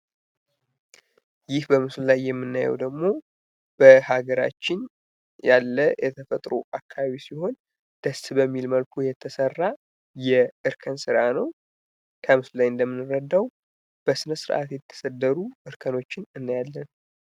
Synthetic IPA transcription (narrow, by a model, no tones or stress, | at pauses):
jɪhbəmɨsllajːɛmːɨnːajɛ̰wd̪əɡmo̞ | b̥əhaɡəɾa̰t͡ʃːɪn | jalːəjɛt̪ʰəfət̪ʼɾṵʔakʰːaβaβisiho̞n | d̪̥əst̪bəmːilməlkʰujɛt̪ʰːəsərːa | jɛɨɾkʰənsɨɾanəw | kʰəmɨslajɨnd̪əmːɨnːɨɾəd̪ːaw | b̥əsɨnəsɨɾʔa̰t̪jɛt̪ʰːə̥səd̪ːəɾuʔɨɾkʰəno̞t͡ʃːɪnɨnːajalːən